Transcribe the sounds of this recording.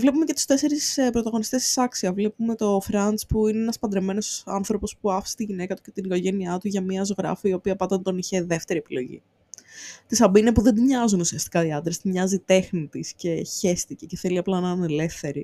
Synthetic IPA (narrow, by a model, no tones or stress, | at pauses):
vle̞pume̞ce̞t̪u̥st̪e̞se̞ɾisspɾo̞t̪ɐɣo̞nist̪e̞st̪i̥sɐksiɐvle̞pume̞t̪o̞fɾɐnt͡spuineenɐspɐnd̪ɾeme̞no̞sɐ̰nθɾo̞po̞spuɐfst̪iʝine̞kɐt̪u̥ce̞t̪iniko̞ʝe̞niɐt̪uʝɐmiɐzo̞ɣɾɐ̰fiio̞piɐpɐd̪ont̪o̞niçe̞ðe̞ft̪e̞ɾie̞pilo̞̰ʝḭ | t̪isɐbinepuðed̪umɲɐzunusiɐst̪i̥kɐiɐnd̪ɾest̪imɲɐzit̪e̞xnit̪isce̞çe̞st̪ice̞ceθe̞liɐplɐnɐɐnele̞fθe̞ɾi